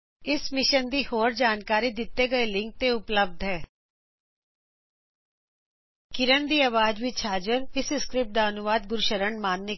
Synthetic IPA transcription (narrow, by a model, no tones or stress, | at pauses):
ɪsmɪʃənd̪iːhoːɾd͡ʒaːnkaːɾiːd̪ɪt̪ːeːɡəelɪ̃ŋk̚t̪eʊpləb̚d̪ʱɦɛː | kɪɾənd̪iːaʋaːd͡ʒʋɪt͡ʃʰaːd͡ʒəɾɪsɪskɾɪp̚ʈ̚d̪aːənʊʋaːd̪̚ɡʊɾʃəɾəɳmaːnːɪ